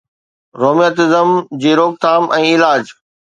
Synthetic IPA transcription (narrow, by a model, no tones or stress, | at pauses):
ɾoːmijət̪ɪzəmd͡ʑiːɾoːk̚t̪ʰaːmʔɛ̃ːɪlaːd͡ʑ